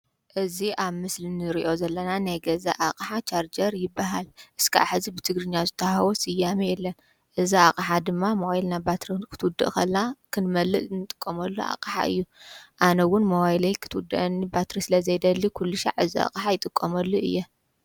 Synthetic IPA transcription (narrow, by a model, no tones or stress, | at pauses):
ʔɨziʔaβmɨslinɨɾiʔo̞zɐlːɐnanajɡɐza̰ʔakʼħat͡ʃʰaɾd͡ʒɐɾjɪbːaɦalʔɨskʰaaħɨzibɨt̪ʰɨɡɾɨɲːazɨt̪ʰːɐhɐwosijːamjɛlːɐn | ʔɨziakʼħad̪ɨmːamoʔilnabat̪ɾikʰɨ̥t̪ʰwʊd̪ːɨ̰ʔkʰɐlːakʰɨnmɐlːɨʔnɨt̪ʼɨ̥kʼːɐmɐlːuʔa̰kʼħa̰ʔɨ̰jːuʔanɐwʊnmɐwajlɐjkʰɨ̥t̪ʰwʊd̪ɨʔɐnːibat̪ɾisɨlɐzɐjd̪ɐlːikʰulːɨʃa̰ʕɨzia̰kʼħajɪt̪ʼɨkʼːɐmɐlːuʔɨ̰jːɛ